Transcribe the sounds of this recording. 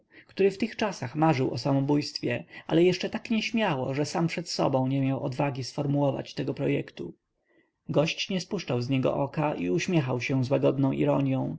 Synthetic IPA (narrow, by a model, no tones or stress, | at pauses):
kt̪uɾɘft̪ɘxt͡ʂasaxmaʐɘwɔsamɔbujst̪fʲjɛa̰lɛjɛʂt͡ʂɛt̪akɲɛɕmʲjawɔ̰ʐɛsampʂɛt̪sɔ̰bɔ̃w̃ɲɛmʲjawʔɔd̪vaɡʲisfɔɾmuwɔva̰t͡ɕt̪ɛɡɔpɾɔjɛkt̪u | ɡɔɕt͡ɕɲɛspuʂt͡ʂawzɲɛɡɔ̰ʔɔkaiuɕmʲjɛxawɕɛzwaɡɔd̪nɔ̃w̃ʔḭɾɔɲjɔ̃w̃